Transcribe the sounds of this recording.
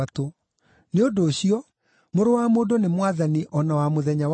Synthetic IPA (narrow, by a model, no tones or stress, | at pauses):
ato | neodoːɕiɔ | moɾowamoːdonemwaðaniʔɔnawamoðɛɲa